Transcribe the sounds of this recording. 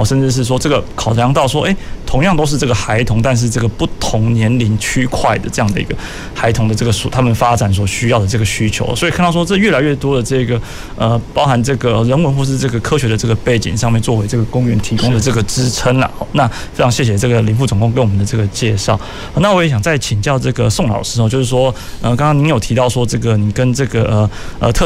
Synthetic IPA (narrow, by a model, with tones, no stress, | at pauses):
ʂə˥˧nʈ͡ʂɻ̩˥˧ʂ̬ɻ̩˥˩ʂ̬wɔ˥ʈ͡ʂɤ˥˩ɡə˩kʰɑ˨˩ʊʈ͡ʂjɑ˥ŋt̪ɑ˥˩ʊʂwɔ˥ʔe˥˩ɪt̪ʰʊ˧˥ŋjɑ˥˨ŋt̪o˥ʊʂ̬ɻ̩˥˧ʈ͡ʂɤ˥˩ɡə˩xa˧˥ɪt̪ʰʊ˧˥ŋt̪a˥˧nʂ̬ɻ̩˥˧ʈ͡ʂɤ˥˩ɡə˩pu˥˩t̪ʰʊ˧˥ŋnjɛ˧˥nli˧˥nt͡ɕʰy˥kʰwa˥˩ɪd̪ə̰˩ʈ͡ʂɤ˥˧jɑ˥˩d̪ə˩ḭ˧˥ɡə˨˩ | xa˧˥ɪt̪ʰʊ˧˥ŋd̪ə˨˧ʈ͡ʂɤ˥˩ɡə˩swɔ˨˩t̪ʰa˥mə˨nfa˥t͡sa˨˩ns̬wɔ˨˩ɕy˥jɑ˥˩ʊd̪ə˩ʈ͡ʂɤ˥˩ɡə˩ɕy˥t͡ɕʰjo˧˥ʊə̰˨swɔ˧˥i˨kʰnt̪ɑ˥˩ʂ̬wɔ˥ʈ͡ʂɤ˥˩ɥɛ˥˩la˧ɪɥɛ˥˩t̪wɔ˥d̪ə˨ʈ͡ʂɤ˥˧˩ɡə˩ | ə˧pɑ˥ʊxa˧˥nʈ͡ʂɤ˥˩ɡə˩ə˩ɻə˧˥nwə˧nxwɔ˥˧ʂ̬ɻ̩˥˧ʈ͡ʂɤ˥˩ɡə˩kʰɤ˥ɕɥɛ˧˥d̪ə˧ʈ͡ʂɤ˥˩ɡə˩pe˥˩ɪt͡ɕḭ˨˩ŋʂɑ˥˧ŋmjɛ˥˧˨nt͡swɔ˥˩we˧˥ɪʈ͡ʂɤ˥˩ɡə˩kʊ˥ŋɥɛ˧˥nt̪ʰi˧˥kʊ˥ŋd̪ə˨ʈ͡ʂɤ˥˩ɡə˩ʈ͡ʂɻ̩˥t͡sʰə˥nlɐ̰˨˩hɔ˥˩na˥˧˨ | fe˥ʈ͡ʂʰɑ˧˥ŋɕjɛ˥˩ɕ̬jɛ˨˩ʈ͡ʂɤ˥˩ɡə˩li˧˥fu˥˩t͡sʊ˨˩ŋkʊ˥˧ŋk̬ə˥nwɔ˨˩mə˨nd̪ə˦˧ʈ͡ʂɤ˥˩ɡə˩t͡ɕjɛ˥˧ʂɑ˥˩ʊ˧˩ | na˥˩wɔ˧˥je˨˧˥ɕjɑ˨˩ŋt͡sa˥˩ɪt͡ɕʰi˨˩ŋt͡ɕjɑ˥˧ʊʈ͡ʂɤ˥˩ɡə˩sʊ˥˧ŋlɑ̰˨˩ʊə˩ʂɻ̩˧˥˧jo˥˧ʊʂɻ̩˥˩ʂwɔ˥ | ə˨kɑ˥ŋkɑ˥ŋni˧˥njo˨˩ʊt̪ʰi˧˥t̪ɑ˥˩ʊʂwɔ˥ʈ͡ʂɤ˥˩ɡə˩ni˨˩kə˥nʈ͡ʂɤ˥˩ɡə˩ʔə˩ə˨t̪ʰɤ˥˧˩